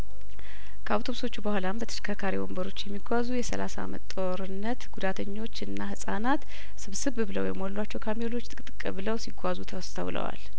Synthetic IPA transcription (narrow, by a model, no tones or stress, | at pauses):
kʰəawt̪ʰo̞βso̞t͡ʃːubəhʷalambət̪ʰə̥ʃkʰakʰaɾiwo̰mbəɾo̞t͡ʃːjɛmːiɡʷazujɛsə̰lasa̰mə̰t̪t̪ʼo̞ɾɨnːət̪ɡ̥ud̪at̪ʰəɲːo̞t͡ʃːɨnːahɨsʼanat̪ | sɨβsɨβbɨlə̰wjɛ̰mːollwat͡ʃːɛwkʰamilo̞t͡ʃːt̪ʼɨkʼt̪ʼɨkʼːɨβɨləwsiɡʷazut̪ʰəwst̪ʰə̰wlə̰wa̰l